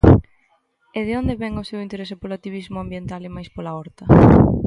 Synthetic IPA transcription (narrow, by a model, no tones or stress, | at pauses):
eðɪond̪eβɛŋʊsewint̪eɾesɪpolat̪iβizmʊambjent̪alemajspolaɔɾt̪ɐ